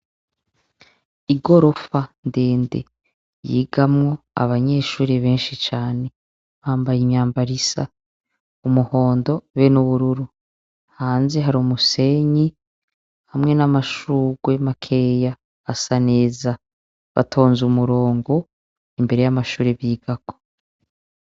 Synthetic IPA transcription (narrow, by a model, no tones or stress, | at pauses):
iɡo̞ɾo̞fandeːndḛ | jḭːɡamŋo̞a̰βaɲe̞ːʃuːɾeβeːnʃit͡ʃaːne̞ | βaːmbajimɲaːmbaɾisa̰ | umuho̞ːndo̞βenuβuɾuɾu | haːnze̞ɦaɾumuse̞ɲi | hamŋe̞namaʃuːɡwe̞makʰe̞ːja | asaneːza | βa̰tʰo̞ːnzumuɾo̞ːŋɡo | imbe̞ɾe̞jamaʃuːɾeβiːɡ̥ako